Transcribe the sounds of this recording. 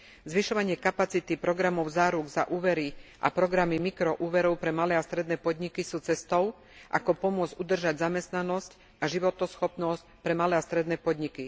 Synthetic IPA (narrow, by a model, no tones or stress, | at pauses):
zʋiʃɔʋaɲɪɛkapat͡sit̪ipɾɔɡɾamɔʊzaːɾuɡza̰ʔuːʋɛɾiʔa̰pɾɔɡɾamimikɾɔʔuːʋɛɾɔʊpɾɛmalɛːast̪ɾɛd̪nɛːpɔd̪ɲikisuːt͡sɛst̪ɔʊ | ʔa̰kɔpɔmʊɔd͡zud̪r̩ʒaɟzamɛst̪nanɔsc | aʒiʋɔt̪ɔsxɔpnɔscpɾɛmalɛːast̪ɾɛd̪nɛːpɔd̪ɲiki